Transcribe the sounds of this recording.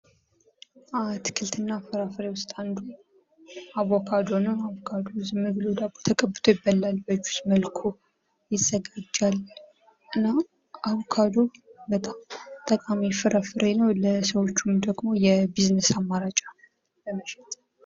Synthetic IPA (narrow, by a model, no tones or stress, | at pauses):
ʔat̪ʰkʰɨlt̪ʰɨnːafɨɾafɨɾewʊst̪ʼand̪u | aβɔkʰad̪onəwaβkʰad̪ozɨmɨɡlod̪aɡbot̪ʰəkʼəbːɨ̥t̪ʰojɪbːəlːalbəd͡ʒu̥sməlkʰo | jɪz̥ːəɡad͡ʒːal | ʔɨnːa | ʔaβokʰad̪o̞bət̪ʼamt̪ʼəkʼamifɨɾʔafɨɾenəwləsəwo̞t͡ʃːumd̪əɡmo̞jɛbiznəsamːaɾat͡ʃʼa | ləməʃɪt̪ʼ